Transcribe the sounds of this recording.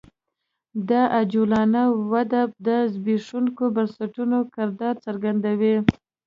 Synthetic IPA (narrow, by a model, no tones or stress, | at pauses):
d̪aʔad͡ʒulɑnawad̪ab̚d̪əzbiʂuŋkobansaʈunokɪɾd̪ɑɾt͡saɾɡand̪awi